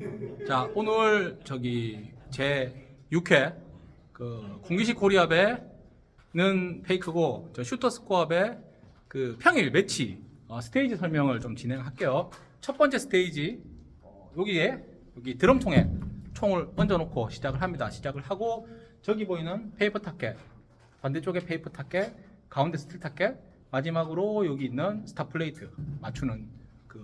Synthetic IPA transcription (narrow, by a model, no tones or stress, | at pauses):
t͡ɕaonɯɭt͡ɕʌɡit͡ɕe̞jukʰe̞ | kɯkoŋɡiɕ̬ʰikʰoɾiabe̞ | nɯnpʰeikʰɯɡot͡ɕʌɕʰutʰʌs͈ʰɯ̥k͈ʰoabe̞ | kɯpʰjʌŋiɭmet͡ɕʰiʌsʰɯ̥tʰeid͡ʑisʰʌɭmjʌŋɯɭt͡ɕomt͡ɕinɦe̞ŋɦak͈e̞jo | t͡ɕʰʌt̚p͈ʌnt͡ɕ͈e̞sʰɯ̥tʰeid͡ʑi | joɡie | joɡitɯɾɯmt͡ɕʰoŋet͡ɕʰoŋɯɭʌnd͡ʑʌnokʰoɕʰid͡ʑaɡɯɭɦamɲidaɕʰid͡ʑaɡɯɭɦaɡot͡ɕʌɡiboinɯnpʰe̞ipʰɯtʰak͈ʰe̞ | pande̞t͡ɕ͈ʰoɡe̞pʰe̞ipʰɯtʰak͈ʰːe̞ | kaunde̞sʰɯ̥tʰɯɭtʰak͈ʰːe̞ | mad͡ʑimaɡɯɾojoɡiːnːɯnsʰɯ̥tʰapʰɯɭːeitʰɯmat͡ɕʰunɯn | kɯ